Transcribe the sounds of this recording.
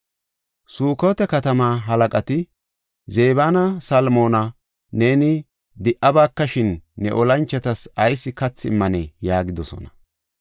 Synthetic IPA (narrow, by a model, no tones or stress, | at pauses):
suːkoːt̪ɛkɐt̪ɐmaːɦɐlɐkʼɐt̪ɪ | ze̞ːbaːnɐsɐlmo̞ːnɐ | ne̞ːnɪ | d̪ɪʔɐbaːkːɐʃɪnːɛ̰ʔɔlɐnt͡ʃːɛt̪ɐsɐjsːɪkɐt͡sːɪ̰mːɐnɛjaːɡɪd̪ɔsɔ̰nɐ